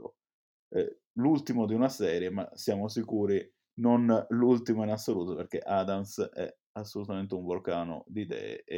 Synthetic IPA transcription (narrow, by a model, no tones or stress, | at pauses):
ɛ | lult̪imod̪iunasɛːɾjema̰sjaːmos̬ikuːɾi | nonlult̪imoinasːoluːt̪opeɾk̟eʔad̪amsɛ̰ | asːolut̪ament̪euɱvolkaːno̰d̪id̪ɛ̰ːḛ